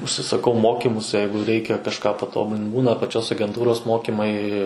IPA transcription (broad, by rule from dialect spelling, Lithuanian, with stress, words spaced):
ʊʃʲsʲɪsɐˈkɐʊ ˈmoːkʲɪmʊs ˈjɛɪɡʊ ˈrʲɛɪkʲɛ kɐʃˈkɑː pɐˈtoːbʊlʲɪn ˈbuːnɐ pɐˈt͡ʃʲoːs ɐɡʲɛnˈtuːroːs ˈmoːkʲɪmɐɪ